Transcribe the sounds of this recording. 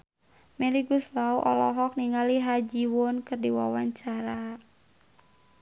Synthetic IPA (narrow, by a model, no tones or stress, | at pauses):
mɛliɡʊslauʔɔ̰lɔɦɔk̚niŋaliɦad͡ʒiwʊnkɨrdiwa̰waɲt͡ʃaɾa